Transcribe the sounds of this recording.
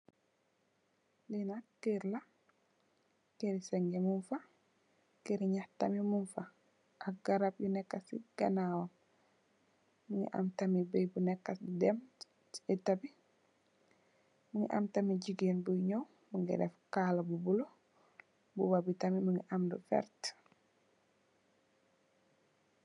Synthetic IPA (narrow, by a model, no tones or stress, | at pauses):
linakɛɾla | keɾisɛŋɡɛmunfa | keɾɲahta̰mimunfa | ʔak̚ɡaɾap̚junɛkːasḭɡ̥a̰nawa | muŋɡɛ̰ʔa̰mtamibɛjbunɛkːasdɛm | ɛtabi | muŋɡɛ̰ʔa̰mtamid͡ʒiɡinbujɲɔw | muŋɡɛ̰dɛfkalabubulɔ | bubabitamimuŋɡɛʔamdṵfɛ̰ɾt